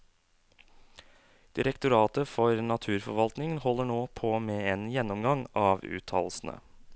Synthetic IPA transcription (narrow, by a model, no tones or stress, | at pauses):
d̪̥ɪɾəkt̪ʊɾɑːt̪əfɔɾnɑt̪ʰʉːɾfɔɾʋɑlt̪nɪŋənhɔlːəɳoːpʰoːmeːeːnjɛnːɔmɡɑŋɑːʋʉ̰ːt̪ʰɑ̰ːllsn̩ə̰